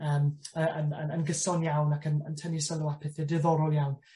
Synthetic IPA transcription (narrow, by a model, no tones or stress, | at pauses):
əːməənənənɡəsɔnjawnakʰənə̰ntʰənisəlʊapʰɛθɛdɨðɔɾʊlˠjawn